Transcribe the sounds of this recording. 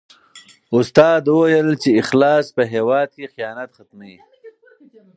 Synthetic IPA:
ʊst̪ɑːd̪wəwajəlt͡ʃeɪxlɑːspəɦewɑːd̪̚kexijɑːnat̪xat̪mai

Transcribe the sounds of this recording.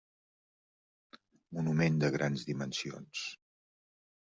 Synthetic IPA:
munumend̪əɣɾanzd̪imənsio̰ns

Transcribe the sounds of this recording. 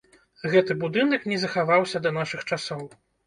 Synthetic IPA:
ɣɛt̪ɨbud̪ɨnɐknʲɛzɐxavawsʲɐd̪ɐnaʂɨxt͡ʂasɔw

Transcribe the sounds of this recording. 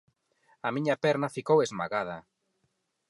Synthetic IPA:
ɐmiɲɐpɛɾnɐfikowezma̰ɣað̞ɐ

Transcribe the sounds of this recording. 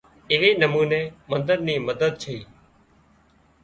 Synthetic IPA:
ɪʋeːnəmuːnẽːmənd̪əɾniːməd̪əd̪̚t͡ʃʰəiː

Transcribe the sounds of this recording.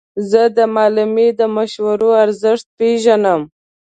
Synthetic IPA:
zəd̪əmɑlɪmed̪əmaʃwaɾoaɾzɪʂt̪̚peʒanəm

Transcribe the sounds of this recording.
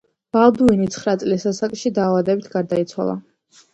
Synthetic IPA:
b̥alˠd̪uinit̪sʰχɾat̪sʼlisasakʼʃid̪aːvad̪ɛbit̪ʰɡaɾd̪ait̪sʰwa̰lˠa̰

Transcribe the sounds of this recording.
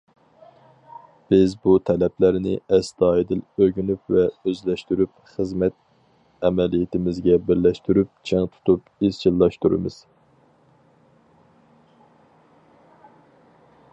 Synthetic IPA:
b̥ɪzbut̪ʰɛlɛplæɾnɪ̰ɛsd̪ɑːid̪ɪløɡʲynypvɛøzlɛʃt̪yɾypχəzmɛt̪̚ | ɛmɛlijet̪ʰɪmɪzɡʲɛbɪɾlɛʃt̪yɾyp̚t͡ʃʰɛŋt̪ʰu̥t̪ʰupiz̥t͡ʃʰilˠːɑʃt̪uɾɨ̰mɨ̰z̥

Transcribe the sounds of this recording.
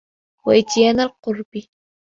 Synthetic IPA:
waʔɪt̪jaːnalqʊɾbɪ

